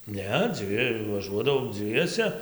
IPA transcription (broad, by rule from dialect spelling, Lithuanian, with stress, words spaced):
ˈnʲɛ ˈd͡zʲʋʲɪ ʋɐˈʒuɔdɐʋɐʊ ˈd͡zʲʋʲiɛsʲɛ